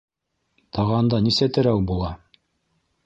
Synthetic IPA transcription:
t̪ʰɑʁɑnd̪ɑnisæt̪ɘ̆ɾæwbulˠɑ

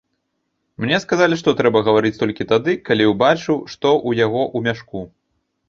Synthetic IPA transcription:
mnʲɛskazalʲiʂt̪ɔt̪ɾɛbɐɣɐvaɾɨt͡sʲt̪ɔlʲkʲit̪ad̪ɨkalʲiwbat͡ʂɨwʂt̪ɔʔujaɣɔʔumʲaʂku

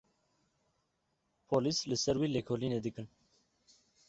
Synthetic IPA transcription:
pʰoːlislɨsɛɾwiːlekʰoːliːneːd̪ɨkɨn

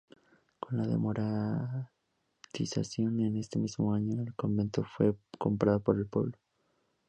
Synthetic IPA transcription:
ko̞nlaðḛmo̞ɾa | t̪isa̰sjo̞ne̞ne̞st̪e̞mizmo̞aɲo̞elko̞mbe̞nt̪o̞fwe̞ko̞mpɾaðopo̞ɾe̞lpwe̞̰βlo

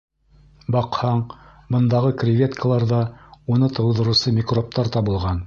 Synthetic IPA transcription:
bɑqhɑɴ | bɤ̆nd̪ɑʁɤkrʲɪvʲet̪kʰəlˠɑɾðɑunɤt̪ɤ̆wðɤ̆ɾɤ̆sɤmʲikrop̚t̪ɑɾt̪ɑβɤ̆lˠʁɑn

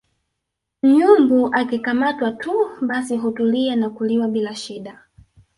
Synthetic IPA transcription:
m̩ɲumbuʔakikamatwatuɓasiɦutulianakuliwaɓilaʃiɗa

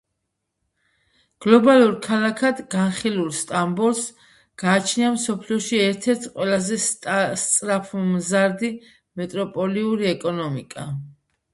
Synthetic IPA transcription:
ɡ̥lɔbalˠuɾkʰalakʰad̪ɡanχilulˠst̪ʼambɔɾs | ɡ̥aːt͡ʃʰniamsɔpʰliɔʃiɛɾt̪ʰɛɾt̪ʰqʼwɛlazɛst̪sʼɾapʰumzaɾd̪i | mɛt̪ʼɾɔpʼɔliuɾiɛkʼɔnɔmḭkʼa

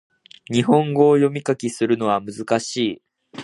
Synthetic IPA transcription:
ɲ̟iɦõ̞ŋɡo̞ːjo̞mʲikakʲisɨɾɯ̟no̞βamɯ̟zɨkaɕiː

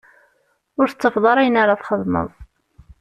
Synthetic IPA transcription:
ʊɾθət͡sːəfðˤɑɾˤæjənaɾaθχəðˤmə̰ðˤ

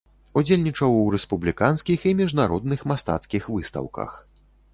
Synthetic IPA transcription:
ud͡zʲelʲnʲit͡ʂɐwɾɛspublʲikanskʲiximʲiʐnaɾɔd̪nɨxmast̪a̰t̪skʲixvɨst̪ɐ̰wkɐ̰x

